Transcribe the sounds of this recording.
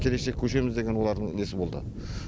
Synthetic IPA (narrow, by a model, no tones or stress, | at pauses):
kʲʰe̞leʃekʲʰɵʃe̞mɪzd̪e̞ɡʲe̞nwo̞lˠɑɾd̪ənesɪbo̞lˠd̪ə̰